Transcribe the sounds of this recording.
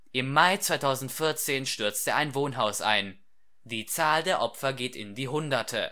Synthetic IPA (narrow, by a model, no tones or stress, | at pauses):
ʔɪmːaɪt͡sv̥aɪtʰaʊzn̩tfɪɐt͡seːnʃtʏɐt͡stəʔaɪnvoːnɦaʊsʔa̰ɪn | d̥iːt͡saːldeːɐʔɔpfɐɡeːtɪndiːɦʊndɐtʰə̰